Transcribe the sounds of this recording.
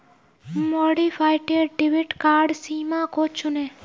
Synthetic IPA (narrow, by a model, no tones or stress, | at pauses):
moɽifʰajʈeɖʈiʋiʈkaːɾɖsiːmãkot͡ʃʰune